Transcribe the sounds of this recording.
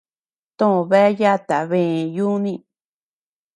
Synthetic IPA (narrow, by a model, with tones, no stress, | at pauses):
t̪õ˦õ˧βe˦ja˦˨t̪a˨βẽ˦˨ju˦nĩ˦˧